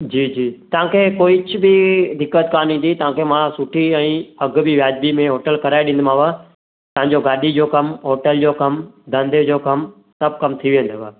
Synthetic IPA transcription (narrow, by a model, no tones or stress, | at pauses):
d͡ʑiːd͡ʑiːt̪ɐʋ̤ãːkʰeːkoːiɪt͡ɕʰʊbɪd̪ɪkːət̪kaːnɦĩːn̆d̪it̪ɐʋ̤ãkʰemãsʊʈʰiɛ̃ːɐɡʱbʱiʋjaːd͡ʑbimẽɦoːʈəlkɐɾaːeɗɪ̃nd̪mãʋaː | t̪ɐɦãɲd͡ʑoɡaːɗid͡ʑoːkɐmɦoːʈəld͡ʑoːkɐmd̪ʱɐ̃nd̪ed͡ʑoːkɐm | sɐb̚kɐmt̪ʰiʋẽːnd̪oʋaː